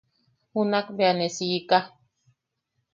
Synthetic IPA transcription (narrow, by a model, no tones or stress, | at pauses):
hunakbeanesika